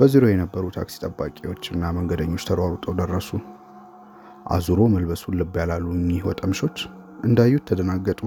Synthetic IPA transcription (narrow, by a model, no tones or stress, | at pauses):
b̥əziɾojɛnəbːəɾut̪ʰa̰ksi̥t̪ʼəbːakʼewo̞t͡ʃːɨnːaməŋɡəd̪əɲːo̞t͡ʃːt̪ʰəɾwaɾut̪ʼəwd̪ərːəsu | ʔa̰zuɾo̞məlbəsulɨbjalalːumiwɔt̪ʼəmʃo̞t͡ʃː | ʔɨnd̪ajːut̪ʰːəd̪ənaɡːət̪ʼu